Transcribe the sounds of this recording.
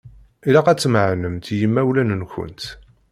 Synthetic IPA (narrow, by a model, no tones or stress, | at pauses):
ilæqæt͡sːməʕnəmt̪jəmːæwlænnçə̰nt̪